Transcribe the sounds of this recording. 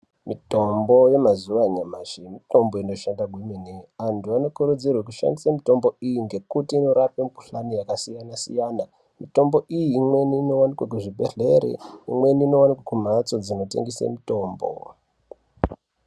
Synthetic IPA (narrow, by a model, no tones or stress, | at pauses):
mito̞mbo̞je̞mazuʋaɲamaʃimito̞mbo̞ino̞ʃandaɡʱweminiantuano̞kuɾud͡zirwekuʃa̰ndisamito̞mbo̞ijiŋɡe̞kutiːno̞ɾapemuku̥ɬanijakasijanasḭjana | mito̞mbo̞ʔijiːmwe̞niːno̞wanikwakuʐibʱe̞̰ɮe̞ɾḛimwe̞niːno̞wanikwakum̤at͡so̞d͡zino̞te̞̰ŋɡisḛmito̞ːmbo̰